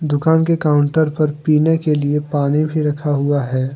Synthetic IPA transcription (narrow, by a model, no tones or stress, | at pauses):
d̪ʊkaːnkekaːʊ̃ɳʈəɾpɐɾpiːnekeliepaːnebʱiɾɐkʰaɦʊaɦɛː